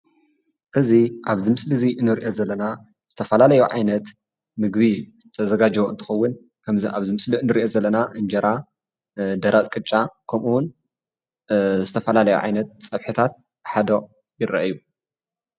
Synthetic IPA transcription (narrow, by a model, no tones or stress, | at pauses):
ʔɨziʔaβzɨmɨslɨziɨnːɨɾiʔozɐlːɐna | z̥ɨt̪ʰɐfɐlalɐjuʕa̰jnɐt̪ | mɨɡβizɨt̪ʰɐzɐɡad͡ʒβoʔɨnt̪ʰɨ̥xɐwːʊn | kʰɐmziʔa̰βzɨmɨsliʔɨnːɨɾiʔo̞zɐlːɐnaʔɨnd͡ʒɐɾa | d̪ɐɾat̪ʼkʼɨt͡ʃʼːakʰɐmʔuwun | zɨt̪ʰɐfɐlalɐjṵʕa̰jnɐt̪̚t͡sʼɐβħɨt̪ʰat̪̚ | ħad̪oʔʼ | jɪɾɐ̰ʔaju